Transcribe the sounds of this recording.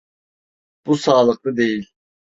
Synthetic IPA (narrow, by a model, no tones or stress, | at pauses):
b̥usaːlˠɯk̚lˠɯd̪e̞jilʲ